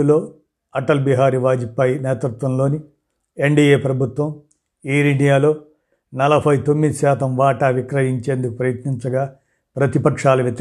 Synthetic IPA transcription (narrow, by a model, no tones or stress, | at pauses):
ulo̞ː | ɐʈɐlbiɦaːɾiʋaːd͡ʒipɐjneːt̪ɾut̪ʋɐmlo̞ːni | eɳɖiːeːpɾɐbʱut̪ʋɐm | iːɾinijaːlo̞ː | nɐlɐbʱɐjt̪o̞mːid̪iʃaːt̪ɐmʋaːʈɐʋikɾɐɦiɲt͡ʃe̞ːnd̪uku̥pɾɐjɐt̪niɲt͡ʃɐɡaː | pɾɐt̪ipɐkʂaːlɐʋjɐt̪